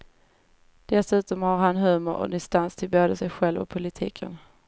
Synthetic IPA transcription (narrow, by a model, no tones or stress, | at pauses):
d̪̥ɛsʉ̟ːt̪ɔmhaɾɦanɦʉ̟ːmʊɾɔ̰d̪ɪst̪anst̪ʰɪlboːd̪əsɛjɧɛlvɔ̰pʰʊlɪt̪ʰḭːkʰə̰n